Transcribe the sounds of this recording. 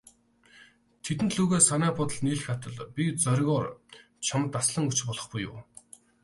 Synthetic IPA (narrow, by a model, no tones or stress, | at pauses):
t̪ʰet̪̬ɘ̆nt̪ɮuːɣeːsanæːpɔt̪ə̆ɮniːɮɘ̆xat̪ə̆ɮpʲit͡sœɾʲɣʲɔːr | t͡ɕʰamə̆t̪asɮə̆ŋut͡ɕpɔɮɞ̆χpʊjʊ̰ː